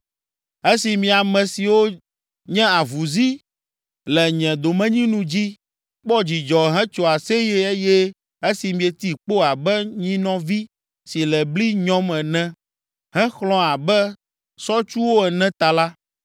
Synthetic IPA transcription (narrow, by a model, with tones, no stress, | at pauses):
e˦si˨mĩ˨a˨mɛ̃˨si˨wo˦ | ɲɛ̃˦a˨vu˨zi˦ | lɛ˨ɲɛ̃˨d̪o˨mɛ̃˦ɲĩ˦nũ˦d͡ʑi˦ | k͡pɔ˦d͡ʑi˨d͡ʒɔ˨ɦɛ̃˦t͡ʃo˨a˨se˦je˦e˦jɛ˦ | e˦si˨mĩ˨ɛ˨t̪i˦k͡po˦a˨bɛ˦ɲĩ˦nɔ̃˦vi˦ | si˨lɛ˨bli˦ɲɔ̃˦mɛ˨nɛ̃˦ | ɦɛ̃˦xlɔ̃˦a˨bɛ˦ | sɔ˦t͡ʃu˦wo˦ɛ˨nɛ̃˦t̪a˨la˦